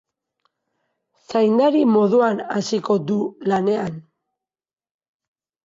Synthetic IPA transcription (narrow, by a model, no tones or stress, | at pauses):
sajnd̪aɾimo̞ðuanasiko̞d̪ulane̞an